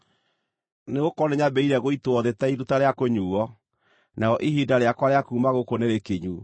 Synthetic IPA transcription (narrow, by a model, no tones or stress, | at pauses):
neɣokɔneɲabɛiɾɛɣoitoɔðetaiɾutaɾeakoɲuːɔ | naɔʔiɦidaɾeakwaɾeakuːmaɣokoneɾekeɲu